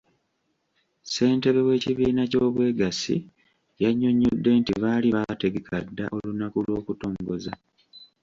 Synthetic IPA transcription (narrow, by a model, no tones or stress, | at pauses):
se̞ːnte̞βeβwe̞ːciβiːnaco̞ːβwe̞ːɡasḭ | jaɲːo̞ɲːodːe̞ntiβaːliβate̞ɡekʰadːa̰ʔo̞lunakulwo̞ːkuto̞ːŋɡo̞za